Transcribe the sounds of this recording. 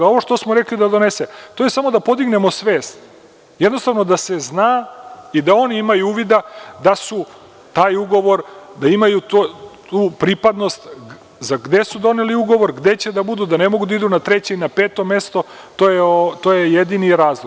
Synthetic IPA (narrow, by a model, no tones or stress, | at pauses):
o̞ʋoʃt̪o̞smoɾe̞klid̪ad̪o̞neset̪o̞ːjesamo̞d̪apo̞d̪iɡne̞mo̞sʋeːst̪ | jed̪nost̪aʋno̞d̪ase̞znaːid̪ao̞niimajuuːʋid̪ad̪asu | t̪aːjuɡo̞ʋo̞ɾd̪aimajut̪ot̪uːpɾipad̪no̞st̪ | zaɡd̪e̞sud̪o̞ne̞liuɡo̞ʋo̞ɾɡd̪e̞t͡ɕe̞d̪abud̪ud̪ane̞mo̞ɡud̪aid̪unat̪ɾe̞t͡ɕeinapeːt̪o̞me̞st̪o | t̪oːjeot̪oːjejed̪iniɾaːzlˠoɡ